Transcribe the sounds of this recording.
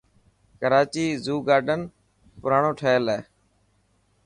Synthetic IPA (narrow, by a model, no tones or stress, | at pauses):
kəɾaːt͡ʃiːzuːɡaːɾɖən | pʊɾaːɳoːʈʰəːlɛː